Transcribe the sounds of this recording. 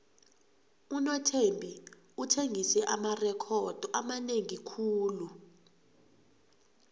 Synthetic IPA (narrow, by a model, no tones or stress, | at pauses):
unɔtʰembʱi | utʰeŋisɛʔamarɛkʰɔd̥ʱɔamaneŋikʰuːlu